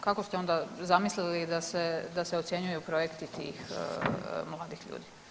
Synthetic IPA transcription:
kako̞st̪eo̞nd̪azamislilid̪ased̪aseot̪sjeɲujupɾo̞jekt̪it̪ḭːx | mlˠaːd̪ixʎṵːd̪i

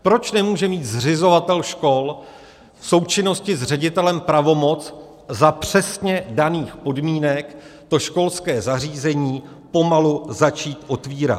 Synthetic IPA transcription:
pɾo̞t͡ʃnɛmuːʒɛmiːt̪zrɪzo̞vat̪ɛlʃko̞l | fso̞wt͡ʃɪno̞scɪzr̝ɛɟɪt̪ɛlɛmpɾavo̞mo̞t͡s | zapr̝̥ɛsɲɛdaniːxpo̞dmiːnɛkt̪o̞ʃko̞lskɛːzar̝iːzɛɲiː | po̞maluzat͡ʃiːt̪ʔo̞t̪viːɾa̰t̪

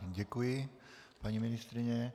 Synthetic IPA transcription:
ɟɛkujɪ | paɲimɪnɪst̪ɾɪɲɛ

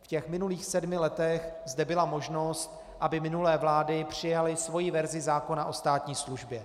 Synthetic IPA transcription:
fcɛxmɪnuliːxsɛdmɪlɛt̪ɛxzdɛbɪlamo̞ʒno̞st̪ | ʔabɪmɪnulɛːvlaːdɪpr̝̥ɪjalɪsvo̞jivɛɾzɪzaːko̞naʔo̞st̪aːt̪ɲiːsluʒbjɛ

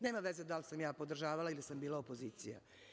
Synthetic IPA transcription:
neːmaʋezed̪alsamjaːpo̞d̪r̩ʒaːʋalailisambiːlˠaopo̞ziːt̪sija̰

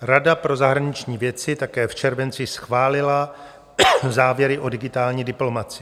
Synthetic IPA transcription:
ɾadapɾo̞zaɦɾaɲɪt͡ʃɲiːvjɛt͡sɪt̪akɛːft͡ʃɛɾvɛnt͡sɪsxvaːlɪla | zaːvjɛɾɪʔo̞dɪɡɪt̪aːlɲiːdɪplo̞mat͡sɪ

